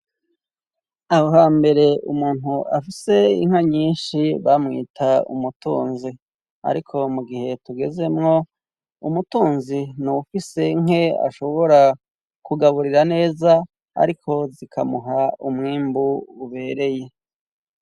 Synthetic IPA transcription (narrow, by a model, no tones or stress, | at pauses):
ahoɦaːmbe̞ɾe̞ṵmuːn̥uʔafise̞ḭŋ̥haɲiːnʃiβamŋḭːtʰaṵmutṵːnzi | a̰ɾikʰo̞muɡihe̞tuɡe̞ze̞mŋo̞ | umutuːnzinuufise̞ŋ̥e̞a̰ʃo̞βo̞ɾa | kuɡaβuɾiɾane̞ːza | a̰ɾikʰo̞zikʰamuɦaumŋiːmbuːβe̞ːɾe̞je̞